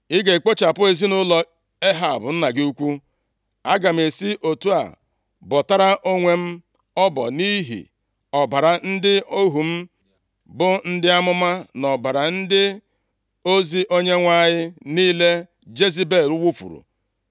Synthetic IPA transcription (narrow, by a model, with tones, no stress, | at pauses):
ɪ˦ɡe˨k͡po˦t͡ʃa˨pʊ˦e˨zi˦nʊ˦lɔ˦ | e˦ɦa˨a˨bʊ˨n̩˦na˨ɡɪ˦u˦kʷu˦ | a˦ɡa˨m̩˨e˨si˦ʔo˨tu˦a̰˨ | bɔ˨ta˦ɾa˦ʔo˦ŋʷe˨m̩˦ | ɔ˦bɔ̰˨ni˦ɦḭ˨ | ɔ˨ba˨ɾa˨n̩˦dɪ˦o˦ɦu˨m̩˦ | bʊ˦n̩˦dɪ˦a˦mʊ˦ma˦nɔ˨ba˨ɾa˨n̩˦dɪ˦ | o˦zi˦ʔo˦ɲe˦ŋʷa˦ɲɪ˦niː˦le˦ | d͡ʒe˦zi˦be˦˨lʊ˦wu˦fṵ˨ɾṵ˨